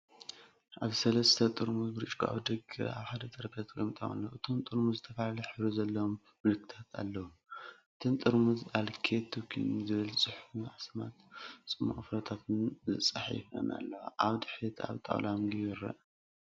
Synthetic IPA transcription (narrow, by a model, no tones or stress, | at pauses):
ʔaβsɐlɐst̪ʰɐt̪ʼɨɾmuzbɨɾɨt͡ʃʼkʰʔa̰βd̪ɐɡɨ̰a̰βħad̪ɐt̪ʼɐɾkʰɐt̪kʼojmt̪ʼɐma̰lːoʔɨt̪ʰomt̪ʼɨɾmuzɨt̪ʰɐfalalɨħɨɾuzɐlːɐwomːɨlɨkʰːɨ̥t̪ʰat̪ʰa̰lːɐwuʔʔɨt̪ʰont̪ʼɨɾmuzalkʰet̪ʰːukʰḭnzɨβɨlsʼɨħfuʕasma̰t̪t͡sʼɨmːuχʼfɾɐt̪ʰat̪ʰɨnzɨsʼɐħḭfɐ̰nʔa̰lːɐwa̰ʔaβd̪ɨħit̪ʰa̰βt̪ʼa̰wlamɡijɛɾɐ̰ʔ